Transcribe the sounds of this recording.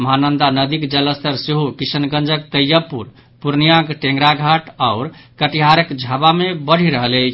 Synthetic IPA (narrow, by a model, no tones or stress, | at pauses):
məɦanənd̪anəd̪ikd͡ʒələst̪ʰəɾseɦokisənɡənd͡ʒəkt̪əjəpuɾ | puɾnijãkʈẽŋɡɾaɡʱaʈaʊɾkəʈiɦaɾəkd͡ʒʱabamebəɽ̤iɾəɦələt͡ʃʰ